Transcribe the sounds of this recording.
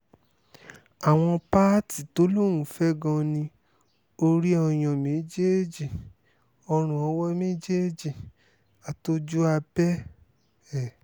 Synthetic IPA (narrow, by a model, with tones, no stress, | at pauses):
a˨w̃ɔ̃˧pa˦ti˨to˦lo˦ɾ̃ũ˦˨fɛ˦ɡɔ̃˧nĩ˧ | o˧ɾi˦ɔ˧j̃ɔ̃˧mẽ˨˦d͡ʒe˦d͡ʒi˨ | ɔ˧ɾ̃ũ˨ɔ˧˦wɔ˦mẽ˦d͡ʒe˦d͡ʒi˨ | a˨to˦d͡ʒu˦a˧bɛ˦ | ɛ˦˨